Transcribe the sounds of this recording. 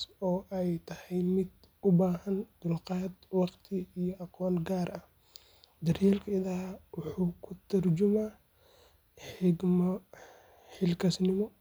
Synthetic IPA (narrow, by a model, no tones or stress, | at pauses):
sɔːʔɛjt̪ʰɐhɛjmɪd̪ | ʊbaːɦɐnd̪̥ʊlqɑːd̪wɑqt̪ʰɪijɔʔɑqɔːnɡaːrɐh | d̪ɐrjɛlkʰɐɪðaːwʊħuːkʰʊt̪ʰɐrt͡ʃʊmaː | ħɪɡm | ħɪlkʰɐsnɪmɔ